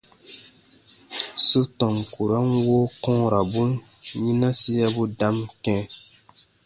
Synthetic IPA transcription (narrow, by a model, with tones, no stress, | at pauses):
su˦tɔ˨ŋku˨ɾa˦nwoː˦kɔ̃˦ɾa˨bu˦nɲĩ˦na˦si˦ja˦bu˦da˦mkɛ̃˦